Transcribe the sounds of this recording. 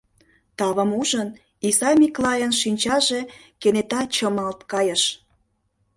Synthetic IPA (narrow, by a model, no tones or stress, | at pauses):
t̪ɑβə̆muʒən | isɑmʲiklɑjənʃinʲt͡ɕɑʒekenet̪ɑt͡ɕəmɑlt̪kɑjəʃ